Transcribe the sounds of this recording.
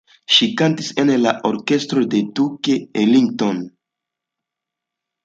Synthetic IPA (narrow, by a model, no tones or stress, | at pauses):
ʃikantise̞nla̰ʔo̞ɾke̞stɾo̞de̞tukeeliŋɡton